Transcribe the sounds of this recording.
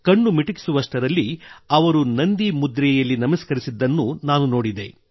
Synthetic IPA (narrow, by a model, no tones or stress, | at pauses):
kɐɳːumiʈiki̥suʋɐʂʈɐɾɐlːiɐʋɐɾunɐnd̪imud̪ɾɛjɐlːinɐmɐskɐɾisid̪ːɐnːunaːnuno̞ːɽid̪e̞̰